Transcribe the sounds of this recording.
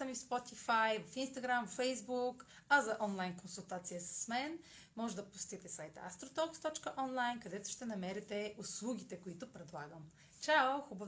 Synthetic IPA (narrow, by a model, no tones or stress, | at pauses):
ɐmifspɔt̪ifajvɐfinst̪ɐɡɾamvfɛjzbuk | ɐzɐʔɔnlˠajnkonsulˠt̪at̪sijəsɐ̥smɛn | mɔʒɛd̪ɐpʊst̪it̪ɛsajt̪a̰st̪ɾot̪ɔkst̪ɔt͡ʃkəʔɔnlˠajnkɐd̪ɛt̪ʊ̥ʃt̪ɛnɐmɛɾɛt̪ɛʊslˠuɡʲit̪ɛkʊit̪ʊpɾɛd̪lˠaɡəm | t͡ʃaʊxubəv